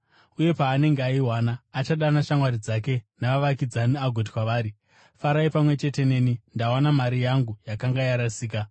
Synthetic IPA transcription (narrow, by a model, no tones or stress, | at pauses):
uje̞paːne̞ŋɡeaiwanaːt͡ʃaɗanaʃaŋwaɾid͡zake̞naʋaʋakid͡zaniaɡʱot̬i̥kwaʋaːɾi | faɾaipamwe̞t͡ʃe̞te̞ne̞ːnindawanamaɾijaŋɡujakaŋɡajaɾasiːka